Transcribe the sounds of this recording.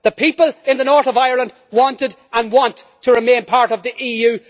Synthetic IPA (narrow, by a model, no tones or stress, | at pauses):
ðəpʰipəlˠɪ̃nðənɔɹθəvaɪə˞lˠə̃nd̚ | wɔ̃ntɪdə̃nwɔ̃ntʰəɹɪmẽnpʰaɹɾʌvðiʔiːjʉ